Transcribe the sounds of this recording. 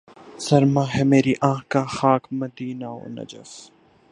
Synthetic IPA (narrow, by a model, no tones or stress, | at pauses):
sɐɾmãɦɛmeːɾiʔãːkaxaːkmɐd̪iːnao̰ːnɐ̰d͡ʒə̰f